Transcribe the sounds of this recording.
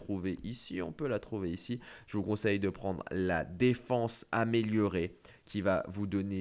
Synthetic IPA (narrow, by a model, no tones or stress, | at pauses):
t̪χuveʔisiɔ̰̃pølat̪χuveisiʒ̥əvukɔ̃sɛjd̪əpχɑ̃d̪ʁla̰d̪efɑ̃sameljɔʁe | kʲiva̰vud̪ɔne